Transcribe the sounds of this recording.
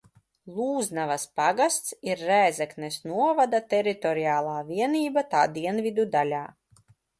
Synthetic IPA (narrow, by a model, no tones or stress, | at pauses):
lˠuːznavaspaɡast̪siɾːæːzɛknɛsnuɔvad̪at̪ɛɾit̪ɔɾiaːlˠaːvʲiɛniːbat̪aːd̪iɛnvʲid̪ud̪alʲaː